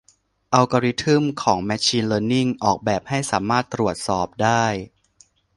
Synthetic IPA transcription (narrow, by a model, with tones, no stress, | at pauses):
ʔa˧wka˧ɾi˦˥t̪ʰɯ˥˩mkʰɔː˩˦ŋmɛː˧t͡ɕʰiː˧nlɤː˧nːi˥˩ŋʔɔː˨˩k̚bɛː˨˩p̚ha˥˩jsaː˩˦maː˥˩t̪ːɾu˨˩ət̪̚sɔː˨˩p̚daː˥˩j